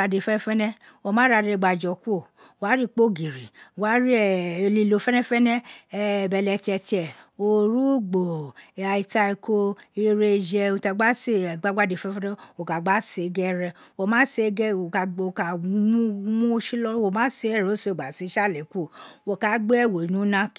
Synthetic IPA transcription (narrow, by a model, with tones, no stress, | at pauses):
a˧de˨˧˨fɛ˦fɛ˦nɛ̃˦o˧˨mãː˨˦ɾa˧˨ɾe˧˨ɡ͡ba˨d͡ʒɔ˨ku˦o˦˨ | wa˨˦ɾi˦˨k͡po˦˨ɡi˨ɾi˨wa˨˦ɾi˦ɛ˨li˨˧lo˨˧˦fɛ˦nɛ̃˦fɛ˦nɛ̃˦ɛ˧˨bɛ˨lɛ˧tɛ˧tɛ˨o˨ɾu˦ɡ͡bo˨a˨i˨˧ta˧i˧ko˧i˧ɾe˧d͡ʒɛ˧o˧ta˧˦ɡ͡ba˦se˦˨ɡ͡ba˦ɡ͡ba˦de˨fɛ˦fɛ˦nɛ˦o˨ka˨ɡ͡ba˨˦se˨˦ɡɛ˦˧ɾɛ˧ | wo˧˨mãː˦se˧˦ɡɛ˦o˨ka˨o˨ka˨˦mu˦mũ˦˧˦ʃi˦lɔ˦wo˨mãː˦se˧ɛ˦˨ɾɛ˨o˦so˧˦e˨ɡ͡ba˨si˨˦ʃa˦˨lɛ˨ku˦o˦˨wo˧˨ka˨˦ɡ͡be˦ɛ˦˨wo˨nũ˨˦nã˦k